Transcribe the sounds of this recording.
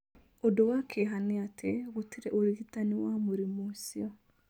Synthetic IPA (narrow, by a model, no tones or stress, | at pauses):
odowakʰeɦaneatʰeɣotʰiɾɛʔoɾiɣitaniwamoɾimosiɔ